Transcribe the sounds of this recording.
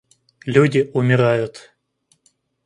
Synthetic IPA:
lʲudʲɪʔʊmʲɪɾajʊt̪

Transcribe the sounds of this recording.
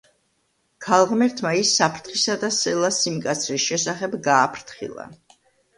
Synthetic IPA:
kʰalˠʁmɛɾt̪ʰmaisːapʰɾt̪ʰχisad̪asɛlˠasimkʼat̪sʰɾisʃɛsaχɛbɡaːpʰɾt̪ʰχḭlˠa̰

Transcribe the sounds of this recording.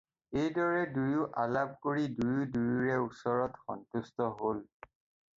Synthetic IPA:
ejdɔɹɛdujʊʔalab̚koɹidujudujuɹɛusɔɹɔtxɔ̰ntustɔɦol

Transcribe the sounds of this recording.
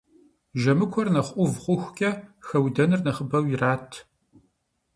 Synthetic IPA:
ʒɐmɨkʷʰɔrnɐχʷʔʷʊvχʷʊxʷkʲʼɐxɐwdɐnɨrnɐχəbɐwjɪraːtʰ

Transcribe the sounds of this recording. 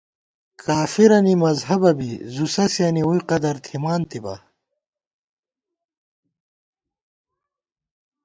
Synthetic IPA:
kaːfiɾɐnimɐzɦɐbɐbizusɐsjɐniujqɐd̪ɐɾt̪ʰimaːnt̪ibɐ̰

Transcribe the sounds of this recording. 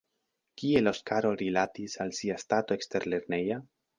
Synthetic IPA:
kie̞lo̞skaɾo̞ɾilatisalsiastato̞ekste̞ɾle̞ɾneja

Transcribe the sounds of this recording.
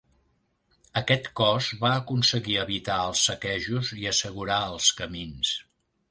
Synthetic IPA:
əkɛt̪kɔzβaəkunsəɣiəβit̪aəlˠsːəkɛʒuziəsəɣuɾaəlˠskəmins

